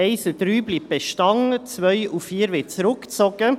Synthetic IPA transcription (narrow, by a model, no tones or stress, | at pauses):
eɪsəd̥ɾyːbliːb̚b̥eʃtɑŋt͡svœʏʔufiːɾʋet͡sɾʊkt͡sɔɡə